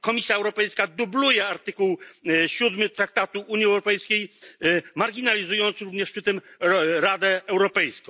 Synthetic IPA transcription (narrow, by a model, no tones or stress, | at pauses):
kɔmʲisʲjaɛwɾɔpɛjskad̪ublujɛaɾt̪ɘkuwɕud̪mɘt̪ɾak̚t̪at̪uuɲiɛwɾɔpɛjskʲej | maɾɡʲinalʲizujɔnt̪sɾuvɲɛʂpʂɘt̪ɘmɾad̪ɛːwɾɔpɛjskɔ̃